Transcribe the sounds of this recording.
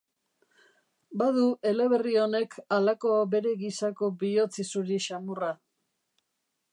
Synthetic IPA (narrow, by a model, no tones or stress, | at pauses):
baðue̞le̞β̞e̞rio̞ne̞kʰalako̞be̞ɾe̞ɣisako̞bio̞t͡sisuɾiʃamura